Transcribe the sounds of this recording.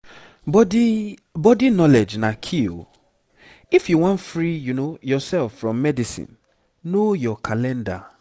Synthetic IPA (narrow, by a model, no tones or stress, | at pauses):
bɔdibɔdinɔlɛd͡ʒnakʰi | ifjuwɔ̃ntfɹijunojɔsɛlfɹɔ̃mːɛdisḭ̃nː | ojɔkʰalɛ̃nda̰